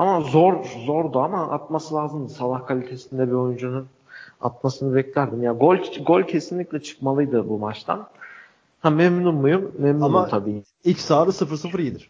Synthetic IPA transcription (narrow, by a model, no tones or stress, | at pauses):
amazoɾzoɾd̪uamaʔa̰t̪̚masɯlʲˠaːzɯmd̪ɯsalˠahkʰalʲit̪ʰe̞sind̪ɛbio̞jund͡ʒunun | a̰t̪̚masɯnɯbɛclʲæɾd̪imjaɡolʲɡo̞lʲcʰesinlʲiclʲɛt͡ʃʰɯ̥kmalˠɯjd̪ɯbumat͡ʃt̪ʰa̰n | hamemnunmujumːemnunt̪ʰabiː | icsaːɾɯsɯfɯɾsɯfɯɾijid̪ɪɾ̥